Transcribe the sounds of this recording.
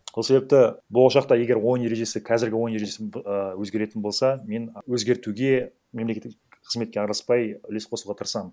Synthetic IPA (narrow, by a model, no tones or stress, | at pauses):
sose̞be̞p̚t̪ɪbolˠɑʃɑq̚t̪ɑje̞ɡʲe̞ɾwo̞jnje̞ɾe̞ʒe̞sɪqʰɑzɪɾɡʲɪwo̞jnjeɾeʒe̞sɪəwɵzɡʲe̞ɾe̞t̪ɪnbo̞lˠsɑme̞nwɵzɡʲe̞ɾt̪uɡʲe̞ | memlekʲe | qʰəzme̞t̪kʲeɑɾlˠəspɑjʏle̞sqʰo̞sluʁɑt̪ʰəɾsɑmən